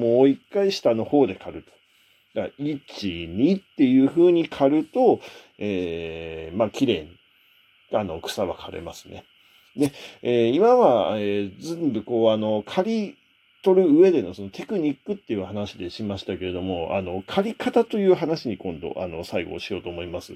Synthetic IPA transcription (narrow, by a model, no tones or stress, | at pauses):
mo̞ːikːaiɕi̥t̪ano̞ho̞ːd̪e̞kʰaɾɯ̟t̪o̥ | ɡait͡ɕiɲ̟it̪ːe̞jɯ̟ːɸɯ̟ːɲ̟ikʰaɾɯ̟t̪o̞ | eː | makʲiɾe̞ːɲ̟i | ano̞kɯ̟̥saβa̰kʰaɾe̞̰masɨ̥ne̞̰ | d̪e̞eːimaβaeːd͡zẽ̞mbɯ̟ko̞ːano̞kʰaɾʲi | t̪o̞ɾɯ̟ɯ̟e̞d̪e̞no̞so̞not̪e̞kɯ̟ɲ̟ikːɯ̟t̪ːe̞jɯ̟ːhanaɕid̪e̞ɕimaɕi̥t̪ake̞ɾe̞d̪o̞mo̞a̰no̞kʰaɾʲikat̪at̪o̞jɯ̟ːɦanaɕiɲ̟ikõ̞nd̪o̞̰ʔa̰no̞saiɡo̞̰ːɕijo̞ːt̪oːmo̞imasɨ